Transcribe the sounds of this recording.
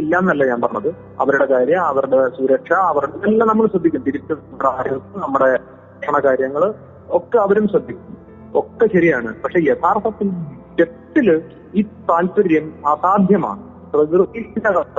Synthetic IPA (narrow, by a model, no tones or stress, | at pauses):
elːaːmnɐlːɐɲaːnpɐrɐnːɐðɨ | ɐ̰ʋɐɾuɽe̞kaːɾjɐmɐʋɐɾuɽe̞suɾɐkʂɐːʋɐɾuɽenɐlːɐnɐmːɐɭsɐd̪ʱːikʲːunɐt̪iɾukʲːunːnɐmːuɽeaːɾjɐt̪ːɐmnɐmːuɽe̞ | kʂɐɳɐkaːɾjɐŋːɐɭ | okːeɐʋɐɾumsrɐd̪ʱːikʲːunː | okːeɕɐɾijaːɳɨpɐkʂe̞et̪ʰaːrt̪ʰɐt̪ːil | et̪ːil | iːt̪aːltɐɾjɐmasaːd̪ʱjɐma̰ːɳɨ | prɐððriɐnɐaɐ